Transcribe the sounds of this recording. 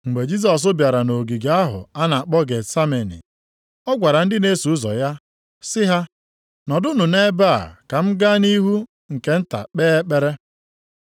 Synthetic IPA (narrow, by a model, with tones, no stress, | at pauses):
ŋ͡m̩˨ɡ͡be˨d͡ʒi˦s̬ɔ˨s̬ʊ˦bja˨ɾa˨no˨ɡi˨ɡa˦ɦʊ̰˨a˦na˨a˨k͡pɔ˦ɡe˨sa˦me˨nḭ˨ | ɔ˦ɡʷa˨ɾa˨n̩˦dɪ˦ne˦su˨ʊ˦zɔ̰˨ja˦ | sɪ˦ɦa˦ | nɔ˨dʊ˦nu˨ne˦ba̰˦˨ka˨m̩˦ɡa˦ni˦ɦu˦ | ŋ̩˨ke˨n̩˦ta̰˨k͡peː˦e˦k͡pe˦ɾe˦